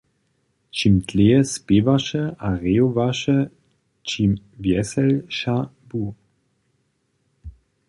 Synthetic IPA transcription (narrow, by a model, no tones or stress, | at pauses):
t͡ʃimtleːɛspeːvaʃəaʁeːovaʃə | t͡ʃimvjɛsɛlʃa | bu